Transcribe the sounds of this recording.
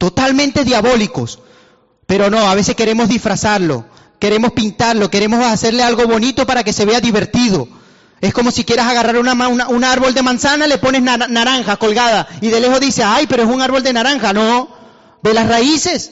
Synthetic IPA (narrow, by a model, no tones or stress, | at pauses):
t̪o̞t̪almẽnt̪e̞ðjaβo̞liko̞s | pe̞ɾo̞no̞aβe̞se̞ske̞ɾe̞mo̞zðifɾasaɾlo̞̰ | ke̞ɾe̞mospint̪aɾlo̞keɾe̞mo̞sase̞ɾlealɣo̞βo̞nit̪o̞paɾake̞se̞βe̞aðiβe̞ɾt̪iðo̞ | e̞sko̞mo̞sikjeɾasaɣaraɾunamaunaunaɾβo̞ld̪e̞mãnsanale̞po̞ne̞znanaɾaŋxako̞lɣað̞aiðe̞le̞xo̞ðise̞ajpe̞ɾoesunaɾβo̞ld̪e̞naɾaŋxano̞ | be̞lasraise̞s